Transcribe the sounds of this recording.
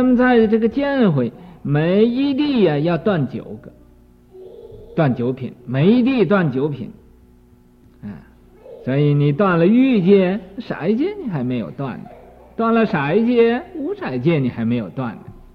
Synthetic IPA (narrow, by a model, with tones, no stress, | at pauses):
na˥˩mə˧t͡sa˥˧ɪʈ͡ʂɤ˥˩ɡə˩t͡ɕjɛ˥nxwe˨˩ɪme˧˥ɪi˥t̪i˥˩ə˨jɑ˥˧ʊt̪wa˥˩nt͡ɕjo̰˨˩˦ʊɡə˧ | t̪wa˥˩nt͡ɕjo˧˥ʊpʰḭ˨˩˦nme˧˥ɪi˧˥t̪̬i˥˩˧t̪wa˥˩nt͡ɕjo˧˥ʊpʰḭ˨˩n | a̰˥˩ | swɔ˧˥i˧˩ni˨˩t̪wa˥˩nlə˨y˥˧t͡ɕjɛ˥˩˥ʂa̰˨˩˥ɪt͡ɕjɛ˥ni˨˩xa˧˥ɪme˧˥ɪjo̰˨˩ʊt̪wa̰˥˩nd̪ə˩˦ | t̪wa˥˩nlə˨ʂa˨˩˥ɪt͡ɕjɛ˥u˧˥ʂa˨˩ɪt͡ɕjɛ˥ni˨˩xa˧˥ɪme˧˥ɪjo˨˩ʊt̪wa̰˥˩nd̪ə˩